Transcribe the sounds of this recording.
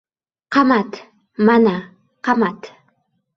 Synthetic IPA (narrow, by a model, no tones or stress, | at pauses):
qɑmat̪ | mana | qɑmat̪